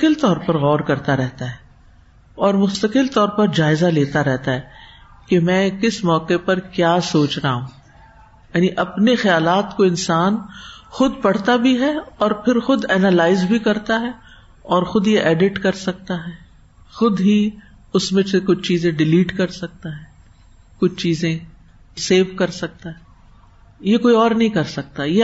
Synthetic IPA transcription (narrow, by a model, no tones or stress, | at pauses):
kɪlt̪ɔːɾpɐɾɣɔːɾkɐɾt̪aɾɛɦt̪aɦɛː | ɔːɾmʊst̪ɐkɪlt̪ɔːɾpɐɾd͡ʒaːɪzaleːt̪aɾɛɦt̪aɦɛː | kemɛ̃ːkɪsmɔːkepɐɾkjaːsoːt͡ʃɾaɦũː | jaːniʔɐpnexɐjaːlaːt̪koɪ̃nsaːnxʊd̪̚pɐɽ̤t̪abʱiɦɛɔːɾpʰɪɾxʊd̪ɛnalaːɪzbʱikɐɾt̪aɦɛ | ɔːɾxʊd̪jeʔɛːɖɪʈkɐɾsɐk̚t̪aɦɛː | xʊd̪ɦi | ʊsmẽekʊt͡ʃʰt͡ʃiːzẽɖɪliːʈkɐɾsɐk̚t̪aɦɛ̃ː | kʊt͡ʃʰt͡ʃiːzẽ | seːfkɐɾsɐk̚t̪aɦɛː | jekoːiɔːɾnɐɦĩkɐɾsɐk̚t̪aje